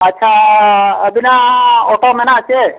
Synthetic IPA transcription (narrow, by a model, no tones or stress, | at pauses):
ətːʃʰa | əbinaoʈomenat͡ʃʰe